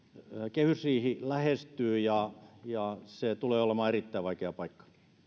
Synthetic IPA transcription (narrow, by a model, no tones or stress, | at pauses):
kehysiːhilæhest̪yːjɑjɑset̪uleːolemɑːerit̪ːæiʋʋɑikeɑpɑikːɑ̥